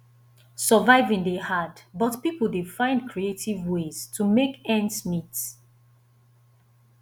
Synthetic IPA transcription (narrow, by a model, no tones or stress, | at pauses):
səvaɪvĩŋdehadbʌtpipl̩ˠdefãɪ̃ndkʰɹietʰivwez̥tʰumekɛ̃ndsmit